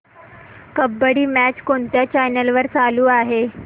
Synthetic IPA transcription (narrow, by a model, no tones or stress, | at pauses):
kəbːəɽiːmæt͡ɕkoɳt̪jat͡ɕajnəlʋəɾt͡saluːaɦe